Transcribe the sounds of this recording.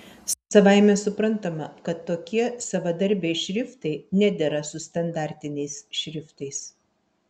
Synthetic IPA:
sɐʋɑˑɪmʲɛsʊpɾɐnt̪ɐmɐkɐt̪ːoːkʲiɛsɐʋɐd̪ɐɾʲbʲɛɪʃʲɾʲɪft̪ɐɪnʲæd̪ʲɛɾɐsʊst̪ɐnd̪ɑˑɾʲt̪ʲɪnʲɛɪsʃʲɾʲɪft̪ɐɪs

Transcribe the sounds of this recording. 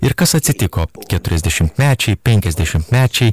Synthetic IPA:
ḭrkɐsɐt̪sit̪ikokɛt̪ːyɛzd̪eʃympmaːt͡ʃipeːŋkɛzd̪eʃympmaːt͡ʃi

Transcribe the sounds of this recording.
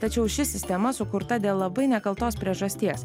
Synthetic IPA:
t̪ɐt͡ʃʲɛʊʃʲɪsʲɪsʲt̪ʲɛmɐsʊkʊɾt̪ɐd̪ʲeːlˠlˠɐbɐɪnʲɛkɐlˠt̪oːspʲɾʲiɛʒɐsʲt̪ʲiɛs

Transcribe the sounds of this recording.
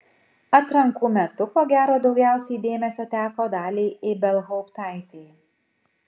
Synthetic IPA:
ɐt̪ɾɐŋkuːmʲɛt̪ʊkoːɡʲæːɾoːd̪ɒʊɡʲæˑʊsʲɛɪd̪ʲeːmʲɛsʲoːt̪ʲæːkoːd̪ɑːlʲiːɪbʲɛlˠɦɔʊpt̪ɑˑɪt̪ʲeː

